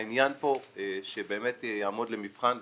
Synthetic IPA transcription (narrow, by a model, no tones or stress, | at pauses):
injanpo̞ʃebe̞ːmetjaːmo̞dle̞mifχan